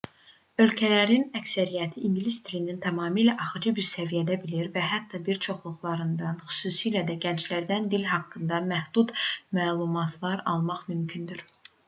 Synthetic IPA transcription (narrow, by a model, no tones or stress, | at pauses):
ø̞lcʰælæɾinæcsæɾijæt̪ʰiʔinɡilisd̪ilinint̪ʰæmɑːmiːlæʔɑχɯd͡ʒɯbiɾsævijæd̪æbiliɾvæɦæt̪ʰːɑbiɾt͡ʃʰo̞χlˠuχlˠɑɾɯnd̪ɑnxy̥suːsiːlæd̪æɟænt͡ʃlæɾd̪ænd̪ilɦɑkːɯnd̪ɑmæhd̪̥ut̪mæːlˠumɑt̪ʰlˠɑɾɑlˠmɑχmymcʰynd̪yɾ